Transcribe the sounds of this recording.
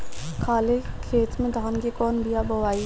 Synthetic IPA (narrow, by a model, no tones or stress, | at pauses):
kʰaːlekʰeːt̪mẽd̪ʱaːnkekɔːnbʱijabʱɐʋaːi